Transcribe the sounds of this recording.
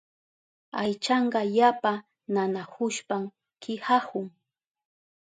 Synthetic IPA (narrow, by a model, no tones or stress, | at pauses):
ajt͡ʃɑɴɢɑjapa | nanahʊʃpam | kʰɪhahʊŋ